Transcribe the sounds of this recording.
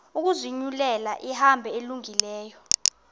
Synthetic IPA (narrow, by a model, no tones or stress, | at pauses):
uk̬uziɲulɛlaʔihambʱɛeluŋilɛːjɔ